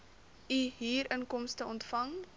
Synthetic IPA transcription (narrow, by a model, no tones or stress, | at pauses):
iɦiːɾənkɔmstəɔntfɐŋ